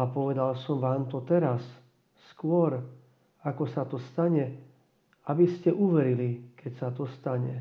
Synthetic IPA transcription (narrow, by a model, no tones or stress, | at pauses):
apɔʋɛd̪alsɔmʋaːmt̪ɔt̪ɛɾasː | kʊɔɾ | akɔsat̪ɔst̪aɲɛ | abiscɛʔuʋɛɾilikʰɛcsat̪ɔst̪aɲɛ̰